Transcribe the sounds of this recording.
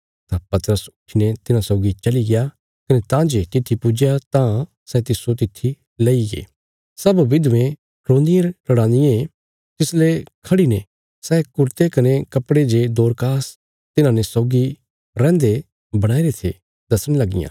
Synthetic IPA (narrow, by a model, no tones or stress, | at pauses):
t̪ãpɐt̪əɾəsʊʈʰinet̪ɪnãsɔːɡit͡ʃɐliɡɪja | kɐnet̪ãd͡ʒet̪ɪt̪ʰːipʊd͡ʒjat̪ã | sɛt̪ɪsot̪ɪt̪ʰːi | leiɡḛː | sɐbʋɪd̪ʋẽ | ɾõːnd̪ɪjəɾʈɐɽãːnd̪ɪjẽ | t̪ɪslekʰɐɽine | sɛːkʊɾt̪ekɐnekɐpːɽed͡ʒed̪oːɾkaːs | t̪ɪnãnesɔːɡi | ɾɛ̃ːnd̪e | bɐɽ̃aːiɾet̪ʰḛ | d̪ɐsəɽ̃lɐɡɪ̰jã̰ː